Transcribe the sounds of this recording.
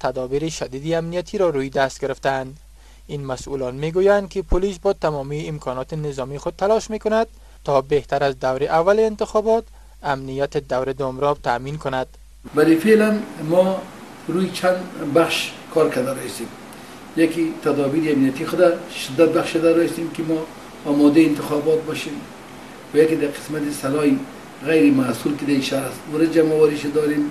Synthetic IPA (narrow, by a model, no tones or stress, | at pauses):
t̪ʰad̪ɒbiɾiʃad̪id̪iamnijat̪ʰiɾɔɾujid̪ast̪ɡɪɾɪft̪aːnd̪ | inmasʔṵlɔnmeɡujand̪̚kɪpʰʊlisbɒt̪amɔmiɪmkʰɔnɒt̪ɪnɪzɒmixʊd̪̚t̪ːalɔʃmekʊnad̪̚ | t̪ːɔbeht̪aɾazd̪awɾɪʔavːaleːnt̪ɪxɔbɒt̪ | amnijat̪ɪd̪awɾɪd̪ʊmɾɔb̚t̪aminkʊnad̪̥ | valifelanmɔ | ɾujt͡ʃʰand̪baχʃkʰɔɾkad̪aɾɔjist̪em | jakit̪ʰad̪ɔbiɾiamnijat̪ixʊd̪aʃɪd̪ːat̪̚baχʃed̪aɾɔist̪emkɪmɔː | mɔd̪ejɪnt̪ɪxɔbɔt̪̚bɔʃem | wajakid̪aqʰɪ̥smat̪isalɔji | ɣajɾɪmasulkɪd̪aiʃaɾasʊɾad͡ʒamɔwaɾiʃad̪ɔɾem